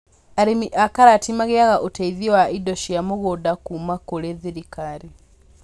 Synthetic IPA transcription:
aɾimiʔakaɾatimaɣeaɣaʔotaiðiwaidoʃijamoɣodakumakoɾeðiɾikaɾi

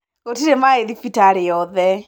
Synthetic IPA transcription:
kotiɾemaeðifitaɾɪɔðɛ

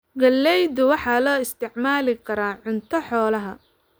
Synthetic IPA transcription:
ɡɐlːɛjd̪ʊwɑħɑːlɔːɪst̪ʰɪʕmaːlɪkʰɐɾaːʕʊnt̪ʰɔħɔːlɐɦɐ

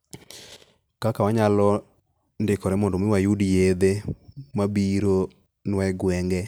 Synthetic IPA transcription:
kakawaɲalɔ | ndɪkɔɾɛmɔndɔmɪwajudijed̪emabiɾo | nwɛɡwɛŋɡɛ

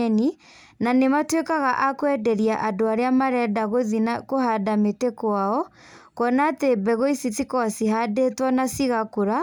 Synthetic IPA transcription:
ni | nanematwekaɣaʔakwɛdɛɾiaʔadoaɾeamaɾɛdaɣoðinakoɦadametekwaɔ | kɔnaːtebɛɣoisitikɔsiɦadetwanasiɣakoɾa

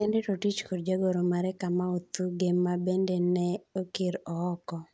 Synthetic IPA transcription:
ɛndɪtotit͡ʃkodd͡ʒaɡoɾomaɾɛkamaot̪uɡemːabendenɛokɪɾɔːkɔ

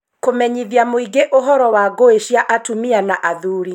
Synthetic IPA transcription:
komɛɲiðjamoiɡeʔoɦɔɾɔwaɡoeʃjaʔatumianaʔaðuɾi

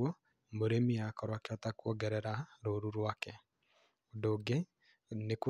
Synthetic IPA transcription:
ɔ | moɾemiakɔɾwakɛatakwɔɡɛɾɛɾaɾoɾuɾwakɛ | odoɡe | nek

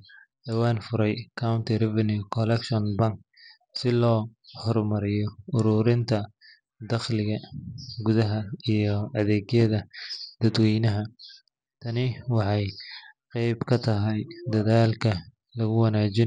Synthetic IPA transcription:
d̪̥ɐwaːnfʊɾɛjkʰawnt̪ʰirɛvɐnukʰɔlɛkʃɔnbɐŋk | sɪlɔːhɔrmɐɾɪjɔʊɾuːɾɪnt̪ʰɐ | d̪ɐχlɪɣɐɡʊðɐɦɐijɞɐðɛːɣjɐðɐd̪̥ɐd̪wɛjnɐɦɐ | t̪ʰɐnɪwɑħɑjqɛjbkʰɐt̪ʰɐɦɛjd̪ɐðaːlkʰɐ | lɐɣʊwɑnaːt͡ʃɪn

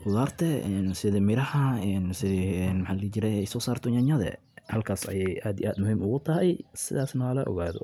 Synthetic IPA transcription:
ʊðaːrt̪ʰɛɛnsɪðɐmɪɾɐhɐɛːnsɪɛnmħɑːlit͡ʃɪɾɛɛjsɔːsaːrt̪ʰɔɲɐɲɐðɛ̰ | hɐlkʰaːsɐ̰jɛjʔaːd̪ḭʔaːd̪mʊhiːmʊɣʊt̪ʰɐɦɛjsɪðaːsnɐwɐlɐʔɔ̰ɣaːðɔ̰

